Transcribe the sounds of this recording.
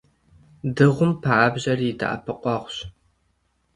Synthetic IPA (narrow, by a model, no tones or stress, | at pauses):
dɨʁʷʊmpʰaʔabʑɐrɪdʰa̰ʔa̰pʰɨqʷʼɔʁʷɕ